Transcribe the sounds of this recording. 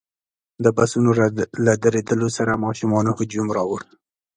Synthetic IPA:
d̪əbasunolad̪aɾed̪əlosaɾamɑʃumɑnohod͡ʒumɾɑwəɽ

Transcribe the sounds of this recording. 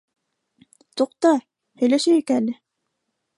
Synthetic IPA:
t̪uqt̪ɑ | hɵ̆jlæʃæikæælɘ

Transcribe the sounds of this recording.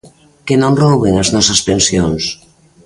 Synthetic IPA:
kenonrowɣenəznɔsəspənsjons

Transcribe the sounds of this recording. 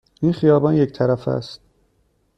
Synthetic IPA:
inxijɒːbɒːnject̪ʰæɾæfæ̰st̪̚

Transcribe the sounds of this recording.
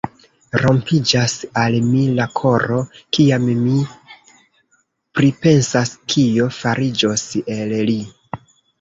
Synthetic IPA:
ɾo̞mpid͡ʒasalmilakʰo̞ɾo̞kiammi | pɾipe̞nsaskʰio̞faɾid͡ʒo̞se̞lli

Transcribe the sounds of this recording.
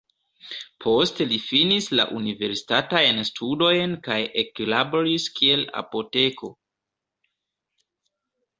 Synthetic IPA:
pʰo̞stelifinisla̰ʔunive̞ɾsi̥tatajnstʰudo̞jnkajʔeklaboɾiskʰie̞la̰po̞te̞ko̞

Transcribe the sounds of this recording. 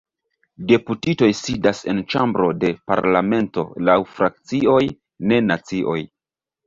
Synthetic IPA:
de̞putito̞jsidase̞̰nt͡ʃa̰mbɾo̞de̞pa̰ɾlame̞nto̞̰lawfɾak̚t͡sio̞j | ne̞nat͡siʔo̞̰j

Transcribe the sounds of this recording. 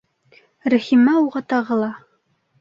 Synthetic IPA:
ɾæχimæuʁɑt̪ɑʁɤ̆lˠɑ

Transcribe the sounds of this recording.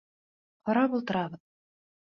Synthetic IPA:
qɒɾɑbulˠt̪ɤ̆ɾɑβɤ̆ð

